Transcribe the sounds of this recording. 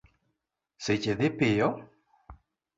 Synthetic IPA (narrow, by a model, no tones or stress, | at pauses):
set͡ʃed̪ɪpɪjɔ